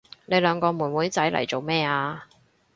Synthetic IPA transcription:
ne˨˧jlœː˨˧ŋkɔː˧muː˨˩nwuː˨˥jt͡sɐ˨˥jlɐ̰˨˩jt͡so˨wmɛː˥aː˧

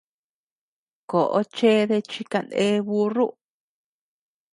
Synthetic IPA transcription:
ko˨ʔo̰˦t͡ʃe˦ðe˧t͡ʃi˧ka˧nd̪e˦βu˧ru˦

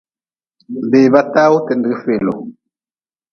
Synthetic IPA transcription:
be˨βa˦ta˦u˦tɛ˨ndɛ˨ɣfe˨lɔ˨

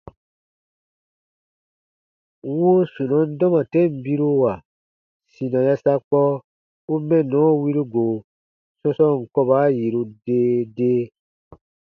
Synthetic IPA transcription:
wu˦su˨nɔ̃˨˦n̩˦dɔ̃˦mã˨tɛ˦m̩˨bi˦ɾu˦wa˨ | si˨nã˨ja˧sa˧k͡pɔ˦ | u˦mɛ̃˦˨nɔ̃˨˦wi˦ɾu˦ɡo˨ | sɔ̃˧sɔ̃˦˨ŋ̩˨kɔ˧ba˨˦ji˨ɾu˧deː˦deː˦

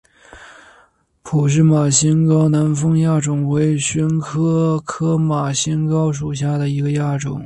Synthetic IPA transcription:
pʰu˨˩ʂ̬ɻ̩˥˩ma˨˩ɕi˥nkɑ˥ʊna˧˥nfɤ˥ŋja˥˩ʈ͡ʂʊ˨˩ŋwe˧˥ɪɕɛ˧˥nkʰɤ˥kʰɤ˥ma˨˩ɕi˥nkɑ˥ʊʂ̬u˨˩ɕja˥˩d̪ə˩i˧˥ɡə˧ja˥˩ʈ͡ʂʊ̰˨˩˦ŋ

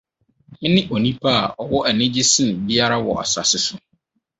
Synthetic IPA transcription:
nɪ̃˦ʔo˨nĩ˦pʰa˦a˨ʔɔ˨wɔ˦ʔæ˨nɪ̃˦d͡ʑɪ˦sɪ̃˦˨bi˦a˦ɾa˦wɔ̰˨a̰˨sa̰˨sɪ˦sʊ˦

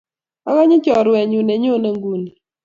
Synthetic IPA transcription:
a˦ka˦ɲɪ˦t͡ʃɔ˨ɾwɛ˨ɲu˨ne˨ɲo˦˨ne˨ŋɡu˨n˨

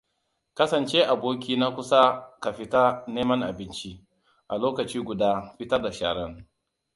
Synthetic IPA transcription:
kɐ˦sɐ˨nt͡ʃe˦ʔa˨boː˦k̬ʲiː˦na˦kʷʊ˦sa˦ka˨ɸɪ˦ta˦neː˦mɐ˦ŋʔa̰˨bɪ˦nt͡ʃi˦ | ʔa˨loː˦kɐ˨t͡ʃiː˦ɡʷʊ˨daː˦ɸɪ˦tɐ˦rda˨ʃa̰ː˨ɽɐ˦ŋ

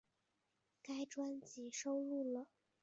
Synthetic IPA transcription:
ka˥ɪʈ͡ʂwa˥nt͡ɕi˨˩ʂo˥ʊlu˥˩lə˩

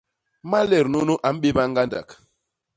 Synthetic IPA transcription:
ma˦lɛ˨ɾnu˦nu˦ʔa˨˦m̩˦ɓe˦ba˦ŋ˦ɡa˦nda̰˨k

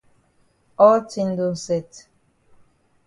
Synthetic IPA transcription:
ɔ˦ltʰi˦ndo˨sɛ˨t

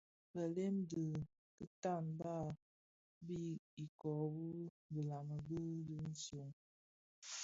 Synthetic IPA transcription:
bə˨le˦mdə˨ | kə˦ta˦˨nba˦˨ | bi˦i˨kɔ˨bu˦ | bi˨la˨mə˨bə˦də˦n̩˦so˨ŋ

